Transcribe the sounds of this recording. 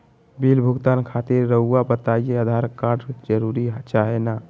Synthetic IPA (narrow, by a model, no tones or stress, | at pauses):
bilbʱuɡt̪ankʰat̪iɾːəuabət̪aijeəd̪ʱaɾkaɾɖd͡ʒəɾuɾiɦt͡ʃaɦena